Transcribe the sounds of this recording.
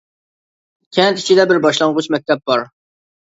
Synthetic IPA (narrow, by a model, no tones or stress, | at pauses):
kʲʰɛnt̪i̥t͡ʃʰid̪ɛbɪɾbɑʃlˠɑɴʁʊt͡ʃmɛk̚ʲt̪ʰɛp̚bɑɾ